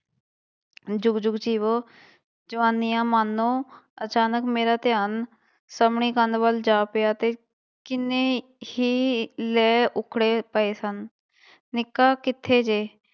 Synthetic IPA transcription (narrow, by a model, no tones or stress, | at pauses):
d͡ʒʊɡd͡ʒʊɡd͡ʒiːʋoː | d͡ʒəʋaːnijãːmaːnːõːət͡ʃaːnəkmeːɾaːt̪ɪjaːn | səmɳiːkənd̪ʋəld͡ʒaːpɪjaːt̪eː | kɪneː | hiːlɛːʔʊkʰɽeːpəeːsənː | ɪkːaːkɪt̪ʰːeːd͡ʒeː